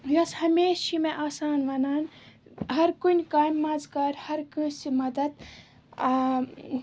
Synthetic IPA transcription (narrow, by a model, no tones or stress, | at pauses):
jɐshɐmeːʃt͡ʃʰimeʔaːsaːnʋɐnaːnɦɐɾkunʲkaːjmːɐzkɐːɾʲhɐɾkusimɐd̪ɐd̪